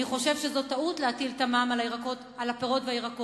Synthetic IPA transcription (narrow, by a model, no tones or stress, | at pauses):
iχo̞ʃe̞vʃezo̞tautleatiltamamalaiʁakot | alapeʁo̞tveaiʁako